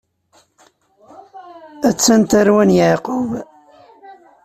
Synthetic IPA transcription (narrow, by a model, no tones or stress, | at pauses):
æt͡sːænt̪aɾwænjaʕqʊv